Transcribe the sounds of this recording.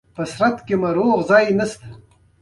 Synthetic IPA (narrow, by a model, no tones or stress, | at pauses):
pəsɾat̪kemɐɾoːʁzɑːjnɐst̪ḁ